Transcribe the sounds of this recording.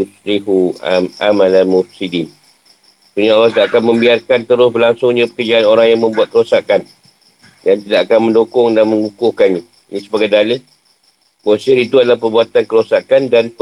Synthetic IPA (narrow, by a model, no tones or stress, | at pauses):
sɾihua̰malalmʊfsidin | suɲaolasdaːkanmə̃mbiarkant̪əɾʊsbəlaŋsʊŋɲãpəkərd͡ʒaanoɾaŋjaŋmə̃mbuat̪̚kəɾosakan | jant̪idaʔakanmə̃ndokʊŋdanmə̃ŋɡukʊhkanɲa | nisəbaɡajdalə | mosiɾit̪uadalahpərbuat̪ankəɾosakandaɾi